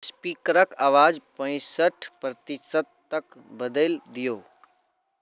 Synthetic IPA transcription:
spiːkəɾəkaːʋaːd͡ʒpə̃ɪ̃səʈʰpɾət̪ɪsəd̪̚t̪ɐk | bəd̪eld̪ijoː

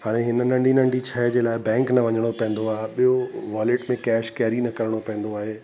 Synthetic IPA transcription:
haːɽ̃eɦɪnənɐ̃ɳɖʱinɐ̃ɳɖʱit͡ɕʰɐɦɪd͡ʑeːlaːɪbɛ̃ːŋknɐʋɐɲəɽ̃opɛ̃ɦnd̪oaːɦeɓijoʋaːlɪʈmẽkɛːʃkɛːɾinɐkɐɾəɽ̃opɛ̃ːn̆d̪oaːɦeː

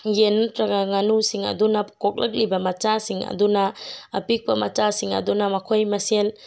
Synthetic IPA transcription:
jentɾaɡaŋanusiŋɐ̰dunɐpʰu̥kʰɔk̚lɐk̬̚libɐmɐt͡ʃasiŋɐ̰dunaːpik̚pɐmɐt͡ʃasiŋɐ̰dunɐmɐkʰojmɐsel

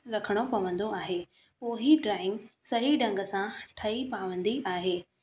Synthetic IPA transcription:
ɾɐkʰəɽ̃opɐʋə̃nd̪oaːɦeː | poːɦiɖɾaːɪ̃ŋɡsɐɦiɖɐ̃ŋɡəsãʈʰɐipaːʋə̃nd̪iʔaːɦeː

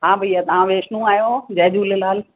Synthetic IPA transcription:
ɦãbəiːat̪ɐʋãʋeːʃnũaːjod͡ʑɐɦd͡ʑuːlɪlaːl

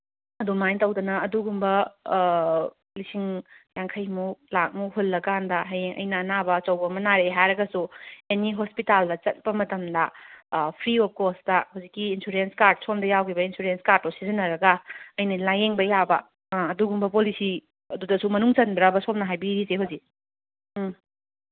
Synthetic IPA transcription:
ɐdumajtɐwdɐnɐːduɡumbɐ | lisiŋjaŋkʰɐjmulak̚muɦolːɐkandɐɦɐjeŋʔɐ̰jnɐːnabɐt͡ʃɐwbɐmɐnaɾeɦaɾɐɡɐsueniɦospitaldɐt͡ʃɐt̚bɐmɐtɐmdɐpʰɾiop̚kosdɐhowzikːiːnsuɾenskaɾd̚sʰomdɐjawɡibɐinsuɾenskaɾtːosizɐnɐɾɐɡɐɐjnɐlajeŋbɐjabɐː | duɡumbɐpolisi | ɐdudɐsumɐnuŋt͡ʃɐnbɾabɐsomnɐɦajbiɾiseɦowzi

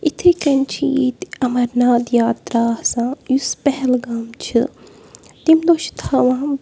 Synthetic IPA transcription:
it̪ʰikɐnt͡ʃʰḭt̪ɐmɐɾnaːd̪jaːt̪ɾaːhsãːjuspɛɦɛlɡaːmt͡ʃʰɨ | t̪imd̪oʃt̪ʰaʋãː

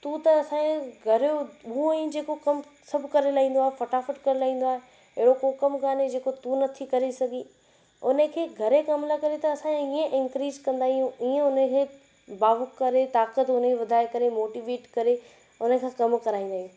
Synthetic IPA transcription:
t̪ut̪ɐɐsãːẽɡʱɐɾouĩd͡ʑeːkokɐmsɐbʱʊkɐɾelaːĩːn̆d̪oaːɦefɐʈaːfɪʈkɐɾelaːɦĩːn̆d̪oaːɦe | ɐɦɪɽokokɐmkaːned͡ʑeːkot̪unɐt̪ʰikɐɾesɐɡʱĩ | ʊnəkʰeːɡʱɐɾekɐmlakɐɾet̪ɐɐsãẽiẽʔɪnkɾiːzkɐ̃nd̪aːɦijũiːẽʊnəkʰeː | baːʋʊkːɐɾet̪aːkət̪ʊneeʋɐd̪ʱaːekɐɾemoːʈiːʋeːʈkɐɾe | ʊnəkʰãːkɐmkɐɾaːĩːnd̪aːɦiũ

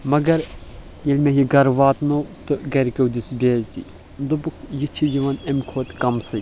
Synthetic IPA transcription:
mɐɡɐɾ | jelʲmʲeɦiɡɐɾʋaːt̪not̪ɨɡɐɾʲkɐwd̪ʲisbʲeːzt̪ʲḭ | d̪ɨbɨkʰjit͡ʃʰijiʋɐnemʲkʰoːt̪ʲkɐmsɨ

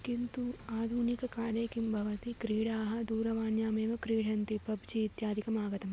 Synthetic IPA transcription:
kint̪uaːd̪ʱunikɐkaːɾjɐkimbʱɐʋɐt̪ikɾiːɽaːɦɐd̪uːɾɐʋaːnjaːmeːʋɐkɾiːɽɐnt̪ipɐbd͡ʒiːt̪jaːd̪ʱikɐmaːɡɐt̪ɐm

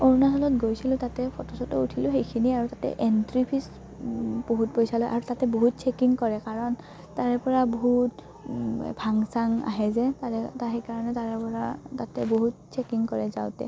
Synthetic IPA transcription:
oɹnasɔlɔtɡojsilʊ̃tatɛpʰɔtɔsɔtɔutʰilʊ̃xejkʰiniaɹutatɛ̰ʔɛntɹipʰis | b̥oɦut̚pojsalɔjʔa̰ɹutatɛboɦut̚t͡ʃʰɛkiŋkɔɹɛkaɹɔn | taɹɛpɔɹaboɦut | bʱaŋsaŋa̰ɦɛzɛtaɛtaekaɹɔnɛtaɹɛpɔɹatatɛboɦut̚t͡ʃʰɛkiŋkɔɹɛza̰ʊtɛ̰

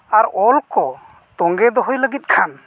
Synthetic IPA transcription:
aɾɔlkɔ | t̪ɔŋɡɛd̪ɔɦɔjləɡit̪̚kʰan

